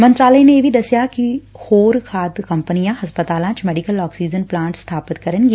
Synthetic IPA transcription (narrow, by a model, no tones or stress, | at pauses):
mə̃nt̪ɾaːləineeːʋʱid̪ɐsjakihoːɾkʰaːd̪kɐ̃mpənijãɦɐspət̪aːlãt͡ʃmɛːɖikəlɔːksiːd͡ʒənplãːɳʈst̪ʰaːpət̪kɐɾənɡi